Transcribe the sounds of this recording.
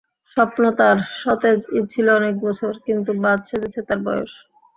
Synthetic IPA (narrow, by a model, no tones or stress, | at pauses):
ʃɔpnot̪aɾʃɔt̪ed͡ʑit͡ɕʰiloɔnek̚bɔt͡ɕʰoɾkint̪̬ubad̪̚ʃed̪et͡ɕʰet̪aɾbɔjo̰ʃ